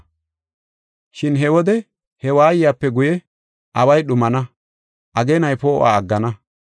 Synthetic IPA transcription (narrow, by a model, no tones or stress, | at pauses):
ʃɪnɦɛwɔd̪ɛ | hɛwaːjɪjaːpːɛɡʊjɛ | ʔɐwɐjɗʊmɐnɐ | ʔɐɡeːnɐjpoːʔa̰ːɐɡːɐnɐ